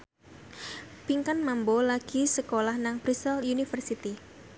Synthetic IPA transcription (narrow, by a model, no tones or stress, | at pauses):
piŋkanmambolaɡ̥isəkolahnaŋb̥ɾisəlunifərsit̪i